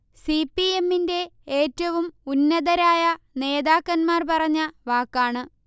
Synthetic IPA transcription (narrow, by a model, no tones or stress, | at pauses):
sipːie̞mːinde̞eːtːɐʋumunːɐðɐɾaːjɐ | ne̞ːðaːkːɐnmaːrpɐrɐɲːɐʋaːkːaːɳɨ